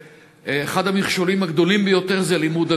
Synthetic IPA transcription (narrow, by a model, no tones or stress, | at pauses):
eχad̪hamiχʃolimaɡd̪o̞limbejo̞t̪eʁzelimud̪a